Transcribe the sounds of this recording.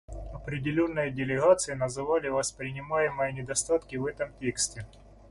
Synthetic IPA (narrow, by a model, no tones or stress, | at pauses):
ɐpɾʲɪdʲɪlʲo̞nːɨjədʲɪlʲɪɣat̪sɨjənɐzɨvalʲɪvɐspɾʲɪnʲɪmajɪmɨjənʲɪd̪ɐst̪at̪kʲɪvɛt̪əmtʲe̞ksʲtʲɪ